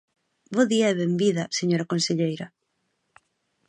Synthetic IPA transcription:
boðiɐɛβembiðɐseɲoɾɐkonseʎejɾɐ

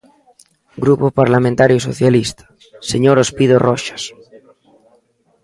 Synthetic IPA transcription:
ɡɾupopaɾlamẽnt̪aɾjosoθjalist̪ḁ | seɲoɾospiðoroʃḁs

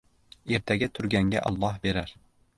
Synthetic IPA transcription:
eɾt̪ʰɛɡʲɛt̪ʰʊɾɡʲɛŋɡʲɛ̰ʔɑ̰lˠːɑhbeɾæɾ

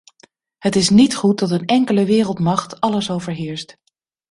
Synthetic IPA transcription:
hətɪsnitχut̚dɑt̬ənɛŋkələʋɪːrəlˠtmɑχtɑləsowvəɹɦɪːɹst

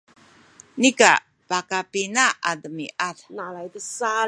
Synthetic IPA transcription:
nika | pakapinaadəmiʔatnalajd̪əsa

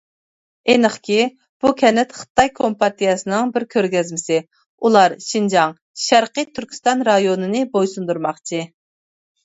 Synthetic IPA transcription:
enəχkʲi | b̥ukʲʰɛnɪt̪χɨ̥t̪ɑjkʰompɑt̪ijɑsɨnɨŋbɪɾkʲʰøɾɡʲɛzmɪsɪ | ulˠɑɾʃind͡ʒɑŋ | ʃæɾqit̪ʰyɾkʲi̥st̪ɑnɾɑjonɨnɨbojsund̪uɾmɑχt͡ʃʰi

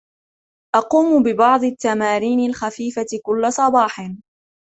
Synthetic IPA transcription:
ʔɑquːmʊbɪbɑʕd̪ˤɪt̪ːamaːɾiːnɪlxafiːfaɪkʊlːasˤɑbɑːħɪn

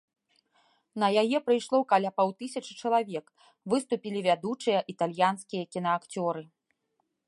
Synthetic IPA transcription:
nɐjajɛpɾɨjʂlˠɔkalʲapawt̪ɨsʲɐt͡ʂɨ̥t͡ʂɐlˠavʲɛk | vɨst̪upʲilʲivʲad̪ut͡ʂɨjɐʔit̪alʲjanskʲijɐkʲinɐakt͡sʲɔɾɨ

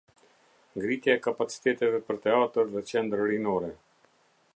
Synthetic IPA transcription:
ŋɡɾit̪jaɛkapat͡si̥t̪ɛt̪ɛvɛpəɾt̪ɛat̪əɾðɛt͡ʃɛnd̪ɾɾinɔɾɛ

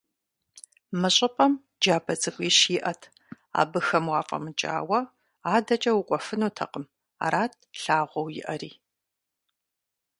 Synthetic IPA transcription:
mɨɕʼɪpʼɐm | d͡ʒaːbɐt͡sʼɨkʷʼiɕiːʔɐtʰ | a̰ːbɨxɐmwɑːfʼɐ̰mɨt͡ʃʼa̰ːwɐ | aːdɐt͡ʃʼɐwʊkʷʼɔfɨnuːtʰɐ̰qʼəm | a̰ːɾaːtʰɬaːʁʷɔwjɪ̰ʔɐɾiː

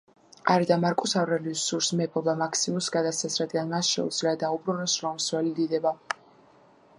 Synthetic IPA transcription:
aɾd̪amaɾkʼusavɾɛlisuɾsmɛpʰɔbamakʰsimumsɡad̪asasɾad̪ɡanmasʃɛ̰ṵd̪z̥iliad̪aubɾunɔsɾɔmswɛlid̪id̪ɛba

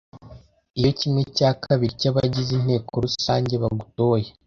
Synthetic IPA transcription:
ijo̞cimŋe̞caːkʰaβiɾicaβaɟizin̥he̞ːkʰo̞ɾusaːɲɟe̞βaɡutoːje

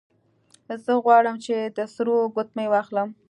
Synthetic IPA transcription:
zəɣwɑɽəmt͡ʃed̪əsɾoɡʊt̪̚majwɑxləm

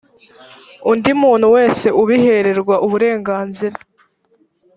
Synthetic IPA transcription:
undimuːn̥huwe̞ːse̞ʔuβihe̞ɾe̞ɾɡwaʔuβuɾe̞ːŋɡaːnziɾa

